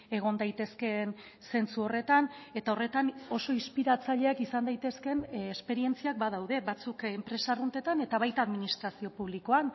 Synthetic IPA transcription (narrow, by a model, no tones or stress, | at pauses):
e̞ɣ̞o̞nd̪ajt̪e̞ske̞n | se̞nt͡suo̞re̞t̪ane̞t̪ao̞re̞t̪ano̞so̞ispiɾat͡saʎe̞akisand̪ajt̪e̞ske̞nespe̞ɾie̞nt͡siak̚bað̞awðe̞βat͡sukempɾe̞sarunt̪e̞t̪ane̞t̪aβajt̪aðminist̪ɾasio̞puβ̞liko̞an